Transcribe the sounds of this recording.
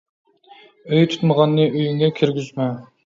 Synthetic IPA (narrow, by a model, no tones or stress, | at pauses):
øjt̪ʰu̥t̪məʁɑnːɨøjyŋɡʲɛkʲʰiɾɡʲyzmɛ